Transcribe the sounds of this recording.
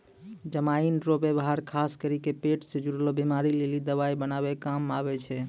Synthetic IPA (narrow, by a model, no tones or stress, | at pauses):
d͡ʒəmainɾobebaɦaɾkʰaskəɾikepeʈsẽd͡ʒuɾlobimaɾilelid̪əβaibənaβɛkamaβɛt͡ʃʰɛ